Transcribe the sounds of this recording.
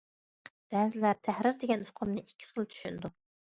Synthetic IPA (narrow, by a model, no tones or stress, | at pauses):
b̥ɛzɪlæɾt̪ʰæhɾɪɾd̪eɡʲɛnhʊ̥qʰʊmnɨʔikʲʰːi̥χəlˠt͡ʃ̪ʰy̥ʃynd̪u